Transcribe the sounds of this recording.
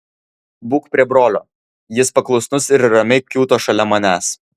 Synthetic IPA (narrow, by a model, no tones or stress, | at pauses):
buːkpʲɾʲiɛbɾoːlʲo̰ː | jɪspɐklˠɔʊsnʊsɪɾɾɐmʲɛɪkʲuːt̪oːʃɐlʲɛmɐnʲæːs